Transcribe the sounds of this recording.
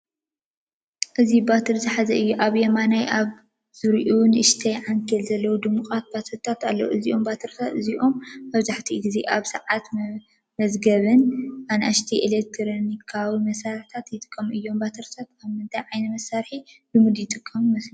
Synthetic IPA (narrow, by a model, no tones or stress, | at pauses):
ʔɨzibat̪ʰɨɾzɨħazɐʔɨjːuʔaβjɐmanajʔaβ | zɨɾʔunʔɨʃt̪ʰɐjʕaŋkʰɐlzɐlːɐwud̪ɨmuxʼat̪̚bat̪ʰɐɾt̪ʰat̪alːɐwuʔɨziʔo̞mbat̪ʰɨɾt̪ʰaɨziʔo̞mbɐβzaħt̪ʰiɡizeʔaβsɐʕat̪ | mɐzɡɐβɨnanʔaʃt̪ʰiʔelek̚t̪ʰɾonikʰːawimɐsaɾħt̪ʰat̪jɪt̪ʼɨ̥kʼːɐmʔɨjːo̞mbat̪ʰɐɾt̪ʰat̪aβmɨnt̪ʰajʕajnɐmɐsːaɾħidɨmud̪jɪt̪ʼɨkʼːɐmmɐslɐ